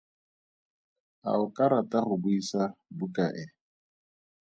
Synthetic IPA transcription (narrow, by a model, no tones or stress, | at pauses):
a̰ʊkʼaɾatʼaɣʊbuisabukʼaʔɪ